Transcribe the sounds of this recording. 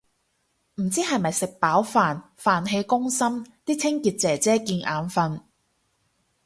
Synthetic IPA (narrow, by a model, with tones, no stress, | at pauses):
m̩˨˩t͡siː˥hɐ˨jmɐ˨jsɪ˨k̚paː˨˥wfaː˨n | faː˨nɦe˧jkʊ˥ŋsɐ˥mt̪iː˥t͡sʰɪ˥ŋkiː˧t̚t͡sɛː˨˩t͡sɛː˥kiː˧nʔa̰ː˨˧nfɐ˧n